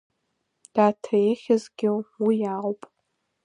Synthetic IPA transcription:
d̥aːtʰajeχʲazɡʲɪħʷwijaːpʼ

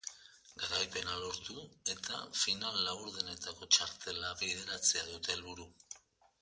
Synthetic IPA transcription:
ɡaɾajpe̞nalo̞ɾt̪ue̞t̪a̰finalːaβuɾðene̞t̪ako̞t͡ʃaɾt̪e̞laβiðe̞ɾat͡se̞aðut̪e̞lβuɾu

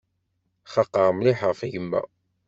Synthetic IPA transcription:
χɑqːɑʁˤmliħʁəfʝəmːæ̰

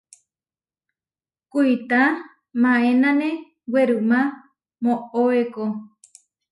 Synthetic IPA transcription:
kuit̪a | mãẽnãnẽ | weɾɨmã | mõoeko

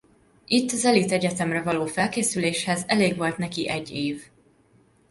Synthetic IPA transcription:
it̪ːɒzɛlit̪ɛɟɛt̪ɛmrɛvɒloːfɛlkeːsyleːʃhɛzɛleːɡʋo̞lt̪nɛkiʔɛɟːeːv

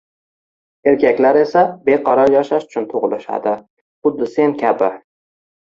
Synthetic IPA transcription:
e̞ɾkʲʰakʲlaɾe̞sabe̞qʰɒɾɒɾjɒʃaʃʊ̥t͡ʃʰʊnt̪ʰʊʁlˠɪʃa̰d̪ɪ | χʊd̪ːɪsenkʲʰabɪ

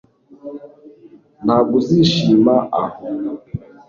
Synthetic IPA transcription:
naɡuziʃimaʔahɔ

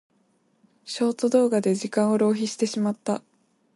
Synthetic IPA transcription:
ɕo̞ːt̪od̪o̞ːɡad̪e̞ʑikãɰ̃o̞ɾo̞ːçiɕi̥t̪e̞ɕimat̪ːa

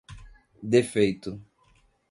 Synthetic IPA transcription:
d̪efejt̪ʊ

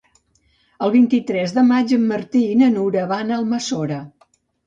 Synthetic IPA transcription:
əlˠβint̪it̪ɾɛzðəmad͡ʒəmːəɾt̪iːnənuɾəβanalˠməsoɾə

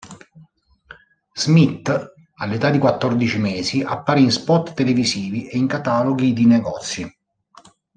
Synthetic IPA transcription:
z̥mit̪ː | alːet̪ad̪ikwat̪ːɔrd̪it͡ʃimeːsiʔa̰pːaːɾeinspɔt̪ːelevisiːviʔeiŋkat̪aːloɡid̪inɛɡɔːt̪sːji

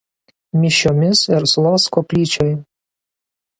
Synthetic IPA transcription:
mʲɪʃʲoːmʲɪsɪɾslˠoːskɔːpʲlʲiːt͡ʃʲɔj

